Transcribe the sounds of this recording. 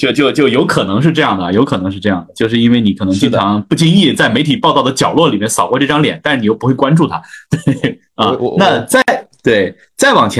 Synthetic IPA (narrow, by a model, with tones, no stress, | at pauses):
t͡ɕjo˥˧ʊt͡ɕjo˥˧ʊt͡ɕjo˥˧ʊjo˧˥ʊkʰɤ˨˩nɤ˧˥ŋʂ̬ɻ̩˥˧ʈ͡ʂɤ˥˧jɑ˥˩ŋd̪ə˩jo˧˥ʊkʰɤ˨˩nɤ˧˥ŋʂɻ̩˥˧ʈ͡ʂɤ˥˧jɑ˥˩ŋd̪ə˩t͡ɕjo˥˧ʊʂɻ̩˥˧i˥nwe˥˩ɪni˧˥kʰɤ˨˩nɤ˧˥ŋt͡ɕi˥˩ŋʈ͡ʂʰɑ˧˥ŋpu˥˩t͡ɕi˥˧nŋi˥˩t͡sa˥˩ɪme˧˥ɪi˨˩pɑ˥˧t̪ɑ˥˩ʊd̪ə˩t͡ɕjɑ˨˩ʊlwɔ˥˩li˨˩mjɛ˥˩nsɑ˨˩ʊkwɔ˥˧ʈ͡ʂɤ˥˩ʈ͡ʂɑ˥ŋljɛ̰˨˩˦nt̪a˥˧ʂɻ̩˥˩i˨jo˥˩pu˥we˥˩wa˥nʈ͡ʂu˥˩t̪ʰa˥t̪we˥˩ɪ | ɐ˥˩na˥˧t͡sa˥˩ɪt̪we˥˩ɪ | t͡sa˥˩ɪwɑ˨˩ŋt͡ɕʰɛ˧˥